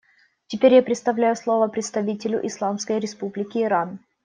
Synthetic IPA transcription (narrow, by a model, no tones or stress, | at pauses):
tʲɪpʲeɾʲjapɾʲɪt̪st̪ɐvlʲæjʊslˠo̞vəpɾʲɪt̪st̪ɐvʲitʲɪlʲʊ̰ʔɪslˠamskəjɾʲɪspublʲɪkʲɪːɾan